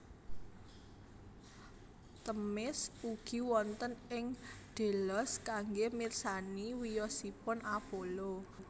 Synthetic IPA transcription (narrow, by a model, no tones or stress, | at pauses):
t̪əmɪsuɡ̥i̤wɔnt̪ənɪŋɖ̪̥e̤lɔskaŋɡemirsaniwijɔsipʊnʔapolo